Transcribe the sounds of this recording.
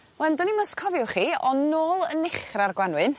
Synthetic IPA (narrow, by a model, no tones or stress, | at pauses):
mɛndɔnimɔskʰɔvjʊχiːɔnːoːlˠənɪχrarɡwanwɨn